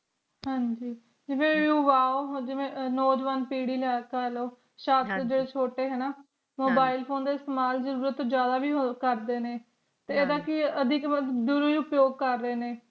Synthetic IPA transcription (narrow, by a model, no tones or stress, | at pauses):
ɦãːɲd͡ʒiː | d͡ʒɪʋẽːʋuːʋaːoːɦd͡ʒɪʋẽːnoːd͡ʒʋaːnpiːɽiːlɛːkaːloː | ʃaːst̪d͡ʒeːɽeːt͡ʃʰoːʈeːɦɛːnaː | moːbaːɪlpʰoːnd̪eːɪst̪eːmaːlzəɾuːɾət̪ːõd͡ʒjaːd̪aːbiːkəɾd̪eːneː | t̪eːeːd̪aːkɪəd̪ɪkəd̪ʊɾiːʊpjoːɡ̚kəɾːeːneː